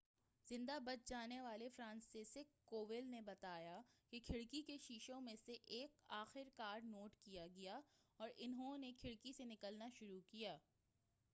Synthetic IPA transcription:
z̥ɪ̃nd̪abɐt̪̚d͡ʒaːneʋaːlefɾãːnseːsɪkːoːʋɪlnebɐt̪aːjakekʰɪɽkikeʃiːʃõmẽseʔeːkaːxɪɾkaːɾɖnoːʈkijaɡijaɔːɾɪnɦõnekʰɪɽkisenɪkəlnaʃʊɾukijaː

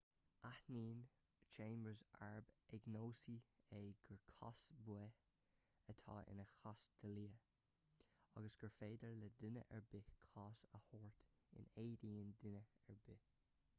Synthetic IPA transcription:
ʔahniːn | t͡ʃʰẽːmbəɹza̰ɹbɛɡnoːsiɛɡ̥əɹkʰɑ̰sbwɛ | ət̪ʰɑ̰ːɪ̰nəxasd̪̥əliːə | ɑɡəsɡ̥əɹfeːdəɹləd̪ɪnə̰ʔɛɹbɪkʰɑːsəhɔːɹtɪ̰neːɾiːənd̪ɪnəɛɹbɪ

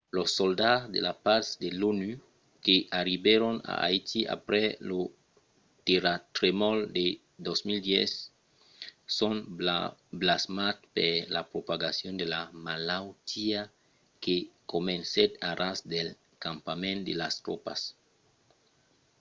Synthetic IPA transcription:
losːold̪asd̪ḛlapasd̪elony | keʔaɾiβeɾona̰ʔa̰jt̪iʔa̰pɾelo | t̪eɾat̪ɾemold̪e | d̪osmild̪jes | on | blasmat̪pela̰pɾopaɡasjond̪elamalawt̪ia | kekomẽnset̪aɾʔasd̪el | kampamẽnd̪elast̪ɾopa̰s

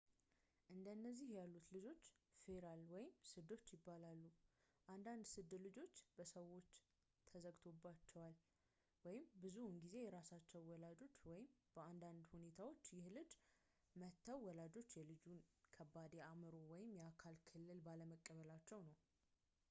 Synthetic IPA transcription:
ʔɨnd̪ənːəzːihjalːut̪lɨd͡ʒo̞t͡ʃːfeɾalwɔjɪmsɨd̪o̞t͡ʃːjɪbːalalːu | ʔand̪and̪sɨd̪ːɨlɨd͡ʒo̞t͡ʃːbəsəwo̞t͡ʃː | t̪ʰəzəɡt̪ʰo̞bːat͡ʃːɛwal | wɔjɪmbɨzunɡize̞jɛɾasat͡ʃːɛwwɔlad͡ʒ̪o̞t͡ʃːwɔjɪmb̥əand̪and̪hune̞t̪ʰawo̞t͡ʃːjɪhlɨd͡ʒ | mət̪ːəwːɔlad͡ʒ̪o̞t͡ʃːjɛlɨd͡ʒunkʰəbːad̪eamɨɾo̞wɔjɪmjɛakʰalkʰɨlːɨlbaləməkʼːəβəlat͡ʃːɛwnəw

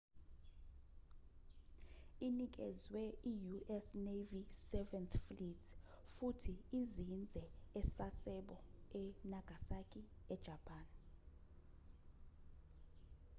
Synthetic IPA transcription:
inik̬ʼɛzwɛijuʔɛsnevisɛvɛnθflitʰ | futʰiizind͡zʱɛɛsasɛɓɔɛnaɡ̥ʱasakʼi | ɛd̥ʒ̥ʱapʼaːn

